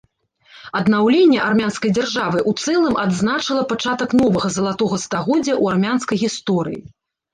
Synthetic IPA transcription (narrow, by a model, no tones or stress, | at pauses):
ɐd̪nawlʲenʲːɛʔarmʲanskɐjd͡zʲarʐavɨʔut̪sɛlˠɨmʔad̪znat͡ʂɨlˠɐpat͡ʂat̪ɐknɔvɐɣɐzɐlˠat̪ɔɣɐst̪aɣɔd͡zʲːɐʔuarmʲanskɐjɣʲist̪ɔɾɨ̰jḭ